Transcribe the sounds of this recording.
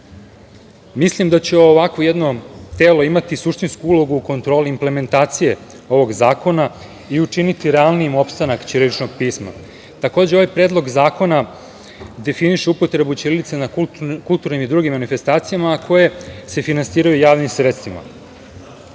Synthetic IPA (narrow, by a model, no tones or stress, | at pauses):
mislimd̪at͡ɕeoːʋakʋo̞jed̪no̞t̪eːloimat̪isuʃt̪inskuulo̞ɡuːko̞nt̪ɾo̞ːliːmple̞me̞nt̪aːt̪sije̞ | o̞ʋo̞ɡzaːko̞na | iut͡ʂinit̪iɾealˠniemo̞pst̪anakt͡ɕiɾeɾit͡ʃnoɡ̚piːsma̰ | t̪ako̞ːd͡ʑeo̞ʋajpɾed̪lˠo̞ɡzaːko̞na | d̪e̞finiʃeupo̞t̪ɾe̞but͡ɕeɾilit̪senakkulˠt̪uɾnimid̪ɾuːɡimːanife̞st̪aːt̪sijamaːkʰo̞je̞se̞finansiːɾajujaːʋnimsɾet̪st̪vima̰